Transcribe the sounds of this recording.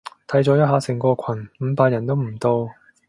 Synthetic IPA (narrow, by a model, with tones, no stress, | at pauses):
t̪ʰɐ˨˥jt͡sɔː˨˥jɐ˥t̚ɦaː˨˥sɪ˨˩ŋkɔː˧kʷʰɐ˨˩nm̩ː˨˥paː˧t̚jɐ˨˩nt̪o˥wm̩˨˩t̪o˧w